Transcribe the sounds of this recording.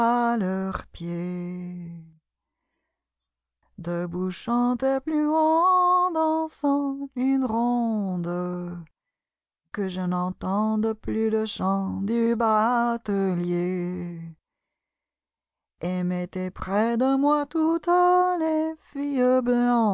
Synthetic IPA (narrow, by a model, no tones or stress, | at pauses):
alœʁpje | d̪əbuʃɑ̃t̪ɛplyɔd̪ɑ̃sɑ̃ynʁɔ̃d̪ə | kəʒənɑ̃t̪ɑ̃d̪əplyləʃɑ̃d̪ybat̪əlje | emet̪ɛpχɛd̪əmwat̪ut̪lefijəblɑ̃